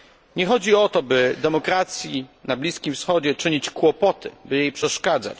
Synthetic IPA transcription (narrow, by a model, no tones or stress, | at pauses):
ɲɛxɔd͡ʑiɔt̪ɔbɘd̪ɛmɔkɾat̪sʲjinablʲiskʲimfsxɔd͡ʑɛt͡ʂɘɲit͡ɕkwɔpɔt̪ʰɘ̰bɘjejpʂɛʂkad̪za̰t͡ɕ